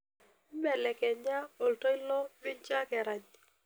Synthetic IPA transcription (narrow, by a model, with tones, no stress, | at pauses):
mɛ˨lɛ˨kɛ˨ɲa˦o˨ltɔ˦ɪ˦lɔ˦mɪ˦ɲt͡ʃa˦kɛ˨ɾa˨ɲ